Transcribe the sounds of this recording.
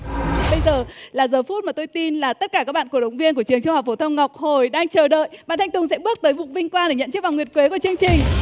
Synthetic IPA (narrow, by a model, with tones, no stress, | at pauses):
ɓə˧jzəː˨˩laː˨˩zəː˨˩fu˦˥t̚maː˨˩t̪o˧jt̪i˧nlaː˨˩t̪ə˦˥t̚kaː˧˩kaː˦˥k̚ɓa̰ː˧˨ku˧˩əɗə˨˦wŋ͡mvi˧ənk̬u˧˩ət͡ɕɨ˨˩əŋt͡ɕu˧ŋ͡mh̚fo˧˩t̪ʰə˧wŋ͡mŋa˨˩wk͡p̚ho˨˩jɗaː˧ŋt͡ɕəː˨˩ɗə̰ː˧˨jɓa̰ː˧˨nt̪ʰjŋ̟t̪ʊ˨˩ŋ͡msɛ̰˧˥ɓɨ˦˥ək̚t̪əː˨˦jvʊ̰˨˩ŋ͡mvï˧ŋ̟kwaː˧nɗe˧˩ɲə̰˧˨nt͡ɕi˦˥ək̚vaː˨˩ŋwi˨˩əkwe˨˦ku˧˩ət͡ɕɨ˧əŋt͡ɕï˨˩ŋ̟